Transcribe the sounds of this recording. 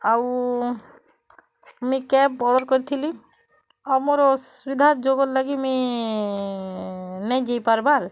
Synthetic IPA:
aw | mikɛp̚ːɔɽɔɾkɔɾit̪ʰili | ɔmoɾɔswid̪ʱad͡ʒoɡɔɾlaɡimi | nɛjd͡ʒejpaɾbaɾ

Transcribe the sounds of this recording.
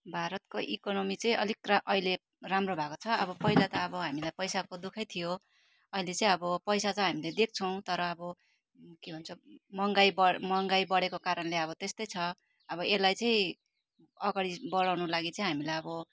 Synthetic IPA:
bʱaɾʌt̪koʔḭkonomit͡sʌĩʔʌlikraʔʌɦile | ramrobʱakot͡sʰʌʌβʌpʌɦilat̪ʌːbʌɦamilajpʌjsakod̪ukʰʌjt̪ʰijo | ʌilet͡sʌĩʌbʌpʌjsat͡sʌj̃ɦamiled̪ek̚ʰt͡sʰʌw̃t̪ʌɾʌːbʌ | kibʱʌnt͡sʰʌmʌŋɡajbʌmʌŋɡajbʌɽekokaɾʌnleʌβʌt̪est̪ʌjt͡sʰʌ | ʌβʌelajt͡sʌĩ | ʌɡaɽibʌɽawnulaɡit͡sʌĩɦamilajʌbʌ

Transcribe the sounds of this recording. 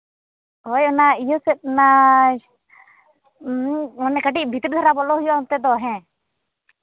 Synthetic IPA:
ojɔnaijɔsɛt̪̚na | ɔnːɛkəʈiʔ̚bʱit̪ɾd̪ʱɔɾabɔlɔɦujɔnt̪ɛd̪ɔɦɛ̃

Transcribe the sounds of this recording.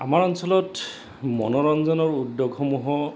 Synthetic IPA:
a̰maɹɔnsɔlɔt | mɔ̰nɔɹɔnzɔnɔɹudːoɡxɔmuɦɔ

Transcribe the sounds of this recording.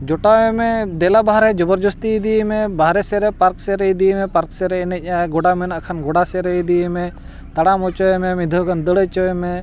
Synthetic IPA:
d͡ʒɔʈaɛmɛd̪ɛlabaɦɾɛd͡ʒɔbɔɾd͡ʒɔst̪iid̪imɛbʱaɾɛsɛɾɛpaɾksɛɾɛid̪imɛpaɾksɛɾɛɛnɛc̚ˀjaɛɡɔɽamɛnaakʰanɡɔɽasɛɾɛid̪imɛ | t̪aɽamɔt͡ʃɔɛmɛmid̪ʱɔkand̪əɽɛt͡ʃɔɛmɛ

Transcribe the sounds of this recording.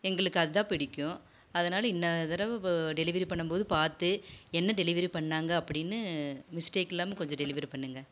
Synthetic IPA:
ɛŋɡɐɭɯkːɯɐðɯðãːpɪɽɪkʲːʊ̃ | ɐðɐnaːlɐɪnːɐt̪ɪɾɐʋɖɛlɪʋɐɾipɐɳːɯmpoːðɯpaːɾt̪ɯɛnːɐɖɛlɪʋɐɾipɐɳːaːŋɡɐɐpːɐɽɪnːɯmɪsʈeːkːɛlːaːmɐkɔɲd͡ʒɔ̃ɖɛlɪʋɐɾipɐɳːɯŋɡɐ

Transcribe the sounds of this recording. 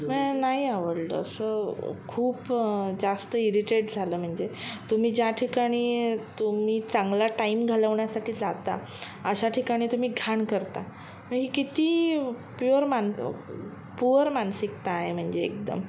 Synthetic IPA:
mənaɦiaʋəɽlə̰ə̰səkʰuːpd͡zast̪əiɾiʈeʈd͡zʱaləːm̤əɳd͡zet̪um̤iːd͡ʑjaʈʰikaɽ̃iːt̪umiːt͡saŋɡlaʈaimɡʱaləʋɳjasaʈʰiːd͡zat̪a̰ | əɕaʈʰikaɽ̃iːt̪um̤iːɡʱaɳkəɾt̪a̰ | məɦiːkit̪iː | pjoɾman | puʋəɾmansik̚t̪aːɦem̤əɳd͡ʑḛːk̚d̪ə̰m

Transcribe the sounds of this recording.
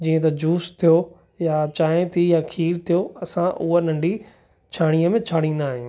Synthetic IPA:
d͡ʑiːə̃t̪̬ɐd͡ʑuːst̪ʰijo | jat͡ɕaːẽt̪ʰijakʰiːɾt̪ʰijoɐsãʔʊ̰ɦənɐ̃ɳɖʱi | t͡ɕʰaːɽ̃iəmẽt͡ɕʰaːɽ̃ĩnaːɦijũː

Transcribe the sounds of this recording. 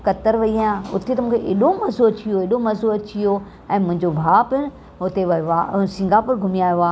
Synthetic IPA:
kɐt̪əɾʋɐiãʊ̰t̪ʰet̪ɐmũːkʰeʔeːɗomɐzoɐt͡ɕijoeːɗomɐzoɐt͡ɕijo | ɛ̃ːmʊ̃ɦɪ̃ɲd͡ʑobʱaːpɪnɪ̆ | ɦʊt̪eʋɐʋasĩŋɡʱapʊɾɡʱʊmijaːjoaː

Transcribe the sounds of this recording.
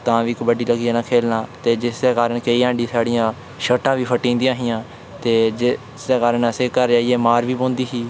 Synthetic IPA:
t̪ãːʋiːkbəɖiːləɡiːãːnãːkʰeːlnaːt̪eːd͡ʒɪsd̪eːkaːɾəɳkeiːãːɳɖiːsaːɽɪjãː | ʃəʈãːʋiːpʰəʈːĩːnd̪ijãːɦɪjãː | t̪eːd͡ʒɪ | sd̪eːkaːɾəɳəseːkəɾd͡ʒaːieːmaːɾʋiːpõːnd̪iːɦiː

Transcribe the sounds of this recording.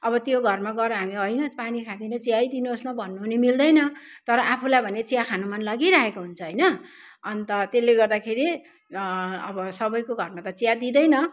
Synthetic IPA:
ʌbʌt̪joɡʱʌrmaɡʌɾʌɦamiɦʌjnʌpanikʰad̪inʌt͡sijajd̪inuosnʌbʱʌnːuɦunemild̪ʌjnʌ | t̪ʌɾʌʔapʰulajbʱʌnet͡sijakʰanumʌnlʌɡiɾaɦekoɦunt͡sʰʌɦʌjnʌ | ʌnt̪ʌt̪elːeɡʌrd̪akʰeɾi | ʌbʌsʌbʌjkoɡʱʌrmat̪ʌt͡sijad̪id̪ʌjnʌ

